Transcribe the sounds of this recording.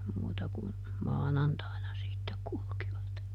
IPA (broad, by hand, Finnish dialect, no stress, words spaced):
muːtɑ kun mɑːnɑntɑinɑ sitːek kulkiʋɑt